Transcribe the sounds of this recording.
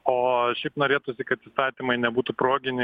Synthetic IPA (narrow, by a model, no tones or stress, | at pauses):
oːʃʲɛɪpnoːɾʲeːt̪usʲɪkɐt̪iːst̪ɑːt̪ʲimɐɪnʲɛbuːt̪upɾoːɡʲɪnʲɪ